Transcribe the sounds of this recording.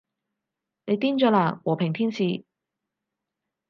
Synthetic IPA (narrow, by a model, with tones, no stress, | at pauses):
ne˨˧jt̪iː˥nt͡ʃɔː˨˧˥laː˨˩wɔː˨˩pʰɪ˨˩ŋt̪ʰiː˥nsiː˨˧